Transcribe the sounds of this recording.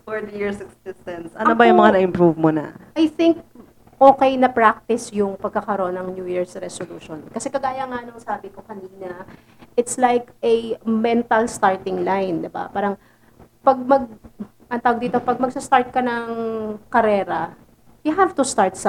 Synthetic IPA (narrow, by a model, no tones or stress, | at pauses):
fɔɹd̪jiɹsɐksɪst̪ɐnsʔɐnobɐjʊŋmɐŋanɐɪmpɾuvmonɐ̰ʔajθɪŋk̚ | ʔoːkɛjnɐpɹak̚t̪ɪsjʊŋpɐɡ̚kakɐɾoʔonɐŋnjuːjiɹsɾɛsoluːʃonkɐsɛkɐɡaːjɐŋanoŋsaːbɪkokɐniːnɐ | ʔɪt̪slajkɛmɛnt̪ɐlst̪aɹt̪ɪŋlajnd̪ɪba̰paːɾɐŋ | pɐɡ̚mɐɡ̚ | ʔɐnt̪aːwɐɡ̚d̪iːt̪opɐɡ̚mɐɡ̚sɐst̪aɹt̪̚kɐnɐŋkɐɾɛːɾɐ | jʊɦavt̪ʊst̪aɹt̪̚s